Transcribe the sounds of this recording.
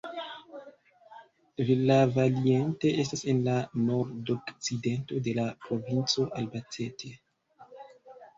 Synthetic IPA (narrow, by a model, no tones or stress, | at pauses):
vilavaliente̞ʔes̬tase̞nlano̞ɾdokt͡side̞nto̞de̞lapɾo̞vint͡so̞ʔalbat͡setʰe̞